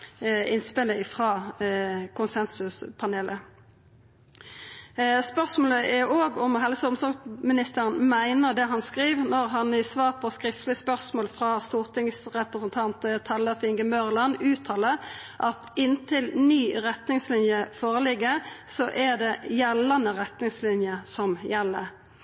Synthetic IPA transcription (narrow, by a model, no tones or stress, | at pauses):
ɪnspɪləɪfʁɑː | kʰʊnsɛnsʉspʰɑneːlʔə | spœʁsmoːləʔɛoːɡɔmɦɛlsəʊmsɑmɪnɪst̪əʁənmæɪnəʁd̪ɛɦɑnskʁiːʋnɔʁɦɑnɪsʋɑːʁpʰɔskʁɪft̪lɪspœʁsmoːlfʁɑːst̪uːʁt̪ʰɪŋsʁɛpʁəsənt̪ʰɑnt̪t̪ʰɑlːəfɪŋɡəmœʁlɑnʉːt̪ʰɑːlə | ʔɑt̪ɪnt̪ʰɪlnyːʁɛt̪nɪŋslɪnjəfoːʁəlɪɡːəsɔʔɛd̪ɛjɛlːənəʁɛt̪nɪŋslɪnjəsɔmjɛlːə̰